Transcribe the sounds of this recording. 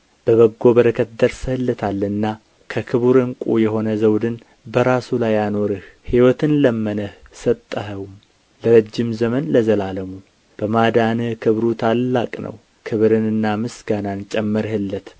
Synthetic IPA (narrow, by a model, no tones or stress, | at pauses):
b̥əβəɡːo̞bəɾəkʰət̪̚d̪əɾshɨlːət̪ʰalːɨnːa | kʰəkʰɨβuɾɨŋkʼujɛɦo̞nəzəwd̪ɨn | bəɾasulajːano̞ɾɨhhiwɔt̪ʰɨnləmːənəhsət̪ʼːəɦəwum | ləɾəd͡ʒːɪmzəmənləzəlaləmu | b̥əmad̪anɨhkʰɨβɾut̪ʰalːakʼnʔə̰w | kʰɨβɾɨnɨnːamɨsɡanant͡ʃʼɛmːɨɾhɨlːət̪